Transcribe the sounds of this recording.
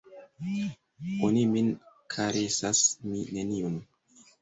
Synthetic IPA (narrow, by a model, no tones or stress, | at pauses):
onimin | kʰaɾesasmine̞niun